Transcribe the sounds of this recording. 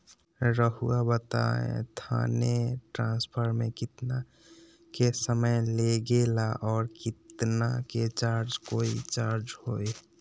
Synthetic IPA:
ɾəɦuabət̪a̰ḛ̃t̪ʰa̰neʈɾãnspʰəɾmekit̪na | kesəməjleɡelaʔɔːɾkit̪naket͡ʃaɾd͡ʒkoit͡ʃaɾd͡ʒhoj

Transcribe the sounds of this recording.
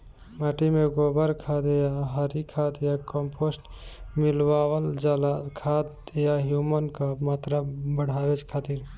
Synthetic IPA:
maʈimeɡoːbəɾkʰaːd̪ejaɦəɾikʰaːt̪jakəmpʰosʈmɪlwaːwəld͡ʒalakʰat̪jaɦjumənkamaːt̪ɾabəɽ̤ʱaːʋet͡ʃkʰaːt̪iːɾ

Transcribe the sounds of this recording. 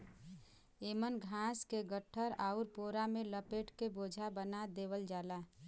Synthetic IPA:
eːmənɡʱãskeɡəʈʰːəɾaʊɾpoːɾameləpeʈkeboːd͡ʒʱabənad̪eːʋəld͡ʒaːla

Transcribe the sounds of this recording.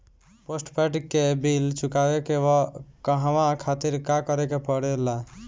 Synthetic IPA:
posʈpɛʈkːebilt͡ʃukabekewɔkəɦəʋãkʰat̪iɾkakɔɾekepɔɽela

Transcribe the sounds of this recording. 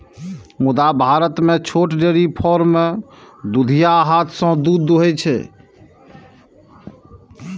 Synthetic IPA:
mud̪abʱaɾət̪met͡ʃʰoʈɖeɾipʰɔɾmed̪ud̪ʱijaɦat̪ʰsə̃d̪ud̪uɦɛt͡ʃʰɛ̰

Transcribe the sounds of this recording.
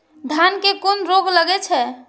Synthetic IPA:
d̪ʱjankekonɾoɡləɡɛt͡ʃʰɛ

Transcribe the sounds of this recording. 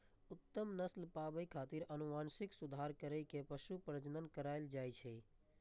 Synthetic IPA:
ʊt̪ːəmnəslpabəjkʰat̪iɾənumansiksud̪ʱaɾkəɾəjkepəʃupɾəd͡ʒnənkəɾaɪld͡ʒajt͡ʃʰɛ

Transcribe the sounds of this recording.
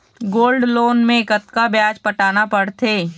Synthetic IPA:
ɡoːlɖloːnmẽkət̪kabjaːd͡ʒpɐʈaːnapɐɽt̪ʰeː

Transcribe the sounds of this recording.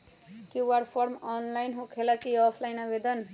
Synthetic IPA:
kjuwaɽpʰoɾmɔnlajnɦũkʰelakiʌpʰlajnabed̪ʌn

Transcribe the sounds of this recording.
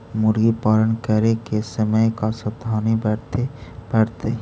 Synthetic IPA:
mʊɾɡipaːlənkəɾekesəməjkasəd̪ʱaːnibɛt̪eb̥ɛːɽt̪e

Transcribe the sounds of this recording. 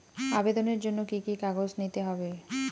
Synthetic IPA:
abed̪oneɾd͡ʑonːokikikaɡod͡ʑnit̪eɦɔbe

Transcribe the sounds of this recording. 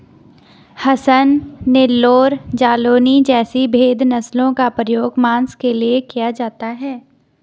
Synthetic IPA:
hɐsənːɪlːoːɾd͡ʒaːloːnid͡ʒɛːsibʱeːd̪ʱnɐslõkapɾəjoːɡmãːnskeliekijad͡ʒaːt̪aɦɛː

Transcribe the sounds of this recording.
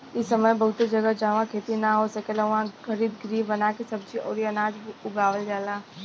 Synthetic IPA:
ɪsəməjbɐɦʊt̪ed͡ʒɐɡəd͡ʒaːʋãkʰeːt̪inaɦosɐkelɐʋãɡəɾiːd̪ɡɾiːbənaːkesɐb̚t͡ʃiɔ̰ːɾiɐnaːd͡ʒʊɡaːʋəld͡ʒaːlaː

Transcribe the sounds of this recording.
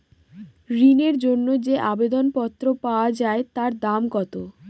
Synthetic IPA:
ɾineɾd͡ʑonːod͡ʑeʔabed̪onpɔt̪ːɾopaoad͡ʑaet̪aɾd̪amkɔt̪o

